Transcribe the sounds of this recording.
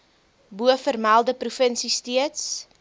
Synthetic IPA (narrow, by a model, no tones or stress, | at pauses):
buəfərmælˠdəprufənsistiəts